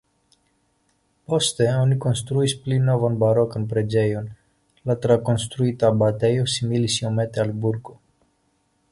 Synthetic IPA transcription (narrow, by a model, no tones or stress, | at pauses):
post̪eonikonst̪ɾuisplinːovonbaɾokənpɾed͡ʒejun | lat̪ɾakonst̪ɾuit̪abat̪ejosimilisiomet̪ealbuɾɡo